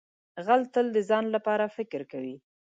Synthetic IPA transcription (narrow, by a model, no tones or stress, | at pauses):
ɣalt̪əld̪əzɑnlapɑɾafɪkɪɾkawi